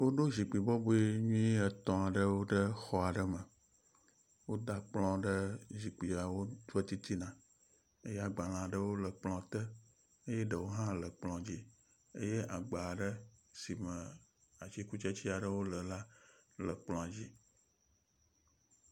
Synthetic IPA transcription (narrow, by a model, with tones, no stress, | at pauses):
wo˦ɖo˦zi˨k͡pi˨bɔ˦bu˦e˦ɲũ˦i˦ə˨t̪ɔ̃˨a˨ɖə˦wo˦ɖə˦xɔ˨a˨ɖə˦mə̃˨ | wo˦d̪a˨k͡plɔ̃˦ɖə˦ʒi˨k͡pi˨a˨wo˦d̪u˦e˦t̪i˦t̪i˦nã˨ | e˦jɛ˦a˨ɡ͡ba˨l̃ã˨ɖə˦wo˦lə˨k͡plɔ̃˦t̪ə˦ | e˦jɛ˦ɖə˨wo˦ɦã˦lə˨k͡plɔ̃˨d͡ʑi˦ | e˦je˦ʔa˨ɡ͡ba˨ɖə˦si˨mə̃˨ | a˨t͡ʃi˦ku˦t͡ʃe˦t͡ɕi˦a˨ɖə˦wo˦lə˨la˦lə˨k͡plɔ̃˨a˨d͡ʑi˦